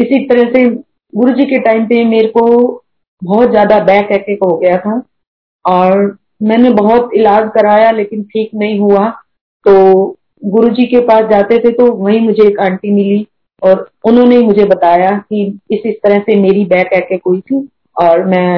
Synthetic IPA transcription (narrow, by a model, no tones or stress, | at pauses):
ɪsit̪ɐɾəse | ɡʊɾud͡ʒikeʈaːɪmpemeːɾeko | bɔːt̪zjaːd̪abɛːkɛːkekɦoɡɐjat̪ʰa | ɔːɾ | mɛ̃ːnebɐɦʊt̪ɪlaːd͡ʒkɐɾaːjaleːkɪnʈʰiːknɐɦĩɦua | t̪oː | ɡʊɾud͡ʒikepaːsd͡ʒaːt̪et̪ʰet̪oʋɐɦĩmʊd͡ʒʱeːkãːɳʈimɪli | ɔːɾʊnɦõneimʊd͡ʒʱebɐt̪aːjakiɪsɪst̪ɐɾəsemeːɾibɛːkɛːkekɦuit̪ʰiː | ɔːɾmɛ̃ː